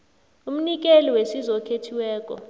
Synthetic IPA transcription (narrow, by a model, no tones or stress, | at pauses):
um̩nik̬ʼelɔwesizɔkʰetʰiwɛːk̬ʼɔ̰